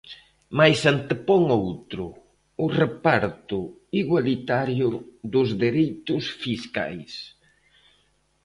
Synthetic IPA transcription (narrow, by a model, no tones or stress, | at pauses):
majsant̪epɔŋowt̪ɾʊ | ʊrepaɾt̪ʊ | iɣwalit̪aɾjʊðʊzðeɾejt̪ʊsfiska̰js